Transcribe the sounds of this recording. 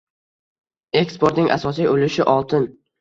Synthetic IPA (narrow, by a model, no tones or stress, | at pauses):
e̞kspoɾt̪nɪŋʔa̰sɒs̬ijolɪʃɪʔɒlˠt̪ʰɪn